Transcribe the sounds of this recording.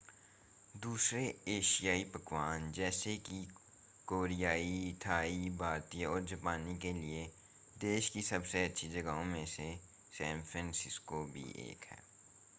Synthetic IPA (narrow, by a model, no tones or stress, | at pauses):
d̪uːsɾeeːʃijaːipəkʋaːnd͡ʒɛːseki | koːɾijaːit̪ʰaːibʱaːɾt̪iɔːɾd͡ʒəpaːnikelie | d̪eːʃkisɐbseɐtːʃʰid͡ʒəɡaõmẽse | sɛ̃ːmfʰɾə̃nsɪskobʱḭʔḛːkɦɛ̰ː